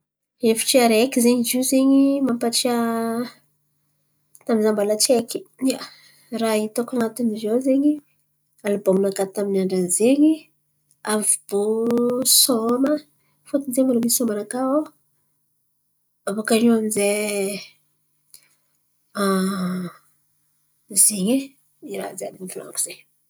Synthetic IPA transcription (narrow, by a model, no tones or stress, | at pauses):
efi̥ʈ͡ʂiaɾekizeɲizizeɲimampaʈ͡ʂia | t̪aminzambalat͡ʃeki̥a | rait̪okanat̪unizozeɲi | alubominakat̪aminaɳɖ͡ʐanzeɲi | avib̥osomə | fot̪unzemaɾamisomanakao | avokaɾiwanze | a | zeɲi | iɾa̰zeab̪ifula̰ŋku̥z̥eɲ